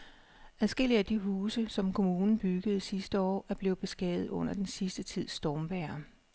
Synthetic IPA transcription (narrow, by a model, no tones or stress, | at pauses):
æðˠsɡ̥e̝l̰iəæd̥iɦuːsəsɒ̽mkʰo̝muːnn̩b̥yɡ̥əð̩ˠsisd̥əɒ̰ːæɐb̥le̝ːʊð̩ˠb̥e̝sɡ̥ɛ̰ːð̩ˠɔ̽n̰ɐd̥ensisd̥ət͡sʰið̰ˠsd̥ɒːmʋæːɐ